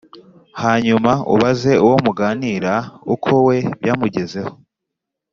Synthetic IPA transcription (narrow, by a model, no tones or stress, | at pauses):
haːɲumaṵβaze̞uwo̞muɡaːniːɾaukʰowe̞βjaːmuɟe̞ze̞ho